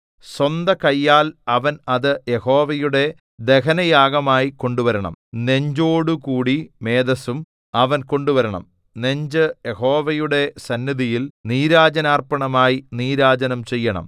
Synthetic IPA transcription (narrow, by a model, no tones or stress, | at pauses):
swɐnd̪ɐkɐjːaːlɐʋɐnɐðɨjehoːʋɐjuɽe̞ | d̪e̞ɦɐnɐjaːɡɐmaːjiko̞ɳɖuʋɐɾɐɳɐ̰mne̞ɲd͡ʑo̞ːɽukuːɽime̞ːd̪ɐsum | ɐʋɐnko̞ɳɖuʋɐɾɐɳɐ̰m | ne̞ɲd͡ʑɨjeho̞ːʋɐjuɽe̞sɐnːiðijilniːɾaːd͡ʑɐnaːrpɐɳɐmaːjiniːɾaːd͡ʑɐnɐmt͡ɕe̞jːɐɳɐ̰m